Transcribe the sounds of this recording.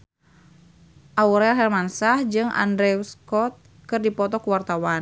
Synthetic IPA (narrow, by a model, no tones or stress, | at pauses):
ʔauɾɛɦɛrmansahd͡ʒɨŋʔa̰ndɾɛuskɔt̪̚ | kɨrdipɔt̪ɔkuwart̪awan